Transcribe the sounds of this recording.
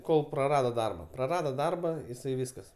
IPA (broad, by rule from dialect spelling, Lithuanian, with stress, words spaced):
ˈkoːlˠ prɐˈrɑːdoː ˈdɐrbɐ prɐˈrɑːdoː ˈdɐrbɐ jɪˈsɐɪ ˈʋʲiːskɐs